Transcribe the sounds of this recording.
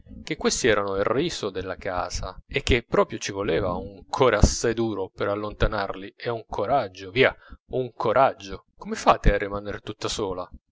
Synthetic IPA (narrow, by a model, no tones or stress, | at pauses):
k̟ekːwest̪iɛːɾanoiriːsod̪elːaka̰ːz̥aek̟ːepːɾɔːpɾjot͡ʃivolɛːva̰uŋkʰɔːɾeasːajd̪uːɾopeɾalːont̪anarlieuŋkʰoɾad͡ʒːoviːauŋkʰoɾʔad͡ʒːo | komefaːt̪earːimanert̪ut̪ːasoːla